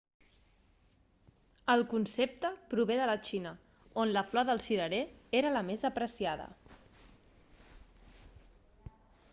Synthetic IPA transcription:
əlˠkunsep̚t̪əpɾuβeðələt͡ʃinə | onləflɔðəlˠsiɾəɾeeɾələmezəpɾəsiaðə̰

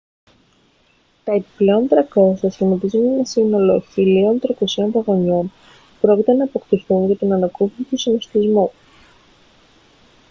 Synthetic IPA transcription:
t̪ɐepi̥ple̞o̞nt̪ɾɐko̞sɐsinot̪izunɲenɐsino̞lo̞çilio̞nt̪ɾɐkosio̞nvɐɣo̞ɲon | pɾo̞cit̪e̞nɐːpo̞kt̪iθunʝɐt̪onɐnɐkuvit̪usinost̪izmu

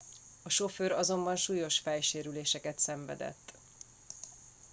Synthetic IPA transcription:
ɒʃo̞føːɾɒzo̞mbɒnʃuːjo̞ʃfɛjʃeːɾyleːʃɛkɛt̪sɛɱvɛ̰d̪ɛ̰t̪ː

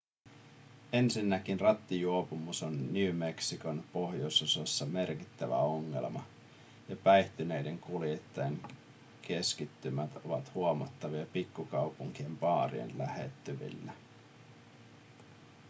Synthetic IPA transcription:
e̞nsinːækinrɑt̪ːijuopumusonːyːme̞ksiko̞npo̞hjosososːɑme̞rkit̪ːæʋæ̰o̞ŋːe̞̰lmɑ | jɑpæjht̪ynejde̞ŋkuljet̪ːɑjeŋ | ke̞skit̪ːymæt̪o̞̰ʋɑt̪huomɑt̪ːɑʋiɑpikːukɑwpuŋk̟iempɑːrḭḛnlæhe̞̰t̪ːyʋḭlːæ

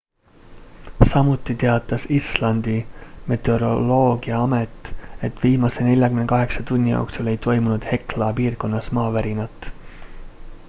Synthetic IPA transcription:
sɑmut̪ːˑit̪e̞ɑt̪ːˑɑsislɑnd̪̥ime̞t̪ːˑeɾo̞lo̞ːɡ̥iɑɑmet̪ːˑe̞t̪ːˑviːmɑse̞ne̞lʲjɑkymnekɑɦe̞ksɑt̪unʲːijo̰oksule̞jt̪o̞jmunud̪̥he̞klɑpiːrko̞nːɑsmɑːvæɾinɑt̪ːˑ

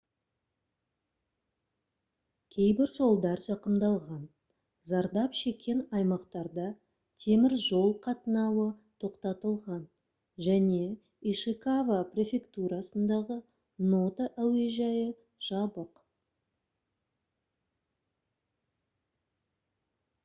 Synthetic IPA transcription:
kʲʰejbɪɾʒo̞lˠd̪ɑɾʒɑqəmd̪ɑlˠʁɑn | zɑɾd̪ɑpʃe̞kʲʰe̞nɑjmɑqt̪ɑɾd̪ɑ | t̪ʰe̞mɪɾʒo̞lˠqʰɑt̪ənɑwət̪ʰo̞qt̪ɑt̪əlˠʁɑn | ʒæne̞ | iʃɨkavaprʲe̞fʲe̞kt̪uɾɑsənd̪ɑʁə | no̞t̪aʔæwe̞ʒɑjə | ʒ̥ɑbəq

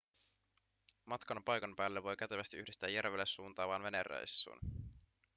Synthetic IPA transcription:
mɑt̪kɑnɑpɑjkɑnpæːlːeʋo̞jkæt̪eʋæst̪iʔyhdist̪æːjærʋelːesːuːnt̪ɑːʋɑːnʋe̞nerḛjsːṵːn

